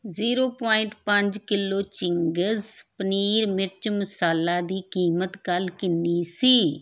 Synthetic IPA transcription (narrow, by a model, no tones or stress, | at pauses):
ziːɾoːpaːɪɳʈpəɲd͡ʒkɪlːoːt͡ʃɪŋɡəzpəniːɾmɪɾt͡ʃməsaːlaːd̪iːkiːmət̪ɡəlkɪnːiːsiː